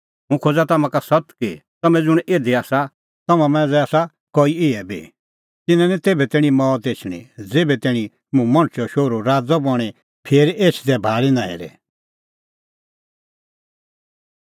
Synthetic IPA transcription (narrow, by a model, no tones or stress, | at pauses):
mũkʰod͡zat̪ɐmãkasɐt̪kit̪ɐmɛ̃d͡zʊɽ̃eːd̪eaːsa | t̪ɐmãmɛ̃ːd͡zɛaːsa | koiɪɛbʱḭ | t̪ɪnãnit̪eːbɛt̪ɛːɽ̃ĩmɔːt̪eːt͡ʃʰɽ̃ḭ̃d͡zeːbɛt̪ɛːɽ̃ĩ | mũmɐ̃ñt͡ʃʰɔʃoːɾoɾaːd͡zɔbɔɽ̃i | pʰeːɾeːt͡ʃʰd̪ɛbʱaːɭinaːḛːɾɛ̰